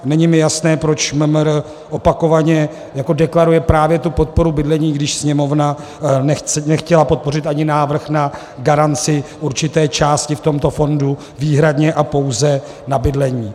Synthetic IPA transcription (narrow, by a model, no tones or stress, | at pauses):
nɛɲɪmɪjasnɛːpɾo̞t͡ʃməmɾ | ʔopako̞vaɲɛ | jako̞dɛklaɾujɛpɾaːvjɛt̪upo̞t̪̚po̞ɾubɪdlɛɲiːɡdɪʃsɲɛmo̞vna | nɛnɛxcɛlapo̞t̪̚po̞rɪt̪ʔaɲɪnaːvr̩xna | ɡaɾant͡sɪʔuɾt͡ʃɪt̪ɛːt͡ʃaːscɪft̪o̞mt̪o̞fo̞ndu | viːɦɾadɲɛʔapo̞wzɛ | nabɪdlɛɲiː